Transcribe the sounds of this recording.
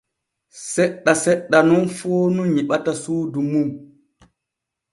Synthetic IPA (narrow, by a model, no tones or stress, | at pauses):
sɛɗːasɛɗːanunfoːnuɲiɓatasuːdumum